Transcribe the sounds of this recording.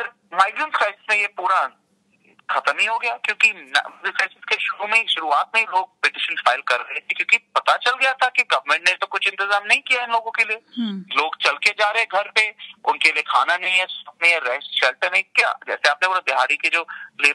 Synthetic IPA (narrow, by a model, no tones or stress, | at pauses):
pɐɾ | maːɪɡɾənskʰɾaɪsɪzmẽjepuːɾa | xɐt̪əmɦĩɦoɡɐjaːkjõːkin̰ɪfɛːsɪz̥keʃʊɾumẽiʃʊɾuaːt̪̚mẽiloːɡ̚pɪʈɪʃənfaːɪlkɐɾːɐɦet̪ʰekjõːkipɐt̪at͡ʃɐlɡɐjat̪ʰakiɡɐʋəmẽɳʈnet̪okʊt͡ʃʰɪ̃nt̪ɪzaːmnɐɦĩkijaɪnloːɡõkelieloːɡt͡ʃɐlked͡ʒaːɾɐɦɛ̃ɡʱɐɾpeʊnkeliekʰa̰ːnanɐɦĩɦɛ̃sɐp̚nĩɦɛ̃ɾɛːsʃɛːlʈəɾnɐĩkja̰ːd͡ʒɛ̰ːseaːp̚neʊnãb̪ɪɦaːɾiked͡ʒoːle